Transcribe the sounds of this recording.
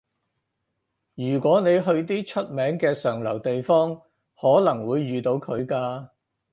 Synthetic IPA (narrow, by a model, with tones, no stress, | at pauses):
jyː˨˩kʷɔː˨˥ne˨˧jɦɵ˧ɥt̪̬iː˥t͡ʃʰɵ˥t̚mɛː˨˥ŋkɛː˧sœː˨˩ŋlɐ˨˩wt̪e˨jfɔː˥ŋ | hɔː˨˥lɐ˨˩ŋwuː˨˧jːyː˨t̪o˨˧wkʰɵ˨˧ɥkaː˧